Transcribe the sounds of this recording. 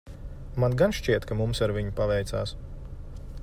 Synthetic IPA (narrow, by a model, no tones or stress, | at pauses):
manɡanʃt͡ʃiɛt̪kamumsaɾvʲiɲupavɛjt̪sa̰ːs